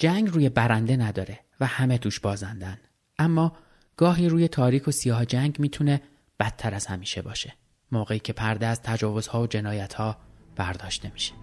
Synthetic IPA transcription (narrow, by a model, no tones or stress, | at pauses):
d͡ʒæŋɡruːje̞bæɾænd̪e̞næd̪ɒːɾe̞ | væhæmet̪ʰuːʃbɒːzænd̪æn | ʔæmːɒː | ɡ̥ɒːɦiːɾuːje̞t̪ʰɒːɾiːkʰo̞sijɒːhd͡ʒæŋɟmiːt̪ʰune̞ | b̥æt̪ʰːæɾæz̥hæmiːʃe̞bɒːʃe̞̥ | moːɣe̞iːcʰe̞pʰæɾd̪eæzt̪ʰæd͡ʒɒːvo̞z̥hɒːvod͡ʒe̞nɒːjæt̪hɒːb̥æɾd̪ɒːʃt̪e̞miːʃe̥